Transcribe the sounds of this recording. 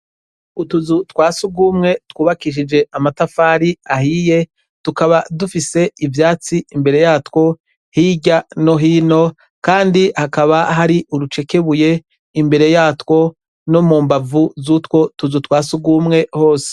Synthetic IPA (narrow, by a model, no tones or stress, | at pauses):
utuzutwaːsuɡumŋe̞twuːβakiʃ̬id͡ʒe̞ʔamatafaːɾiahiːje | tukaβadufise̞ivjaːt͡siimbe̞ɾe̞jaːtwo̞ | hiːɟano̞ɦiːno̞ | kaːndihakaβaɦaɾiʔuɾut͡ʃe̞ke̞βuje̞ | imbe̞ɾe̞jaːtwo̞ | nomuːmbavuzutwo̞tuzutwaːsuɡumŋe̞ho̞ːse̥